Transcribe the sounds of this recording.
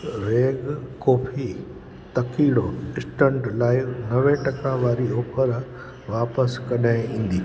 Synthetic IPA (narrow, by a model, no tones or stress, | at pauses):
ɾeːɡkoːfʰi | t̪ɐkiːɽoɪsʈə̃ɳʈlaːɪnɐʋẽʈɐkaʋaːɾioːpʰəɾ | ʋaːpəskɐɗaɪ̃ĩːn̆d̪iː